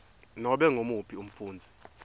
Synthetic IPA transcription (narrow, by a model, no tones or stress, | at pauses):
nɔɓɛŋʱomupʰium̩fuːnd͡zʱɛ